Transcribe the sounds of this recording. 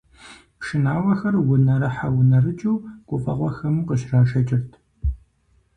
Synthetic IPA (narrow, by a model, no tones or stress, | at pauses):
pʂɨnaːwɐxɐrwʊnɐɾɐħawʊnɐrɨt͡ʃʼuːkʷʼʊfʼɐ̰ʁʷɔxɐmqəʃraːʃɐt͡ʃʼɪrtʰ